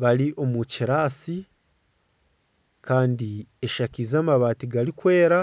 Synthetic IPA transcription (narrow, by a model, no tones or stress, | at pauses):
βaɾiʔo̞muciɾaːsi | kaːndieʃacizaːmaβaːtiɡaɾikwe̞ːɾa